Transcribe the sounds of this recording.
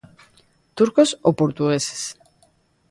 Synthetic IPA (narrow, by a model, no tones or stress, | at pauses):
t̪uɾkosopoɾt̪uɣese̥s